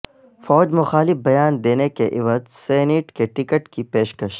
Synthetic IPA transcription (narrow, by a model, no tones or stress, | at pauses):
fɔːd͡ʒmʊxaːlɪfbɐjaːnd̪eːnekeʔɪʋazsɛːneːʈkeʈɪkəʈkipeːʃkəʃ